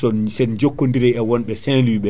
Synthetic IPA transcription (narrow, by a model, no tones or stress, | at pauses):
sɔsɛnd͡ʒokːondiɾɛɛwɔnɓɛsɛ̃luːɓɛ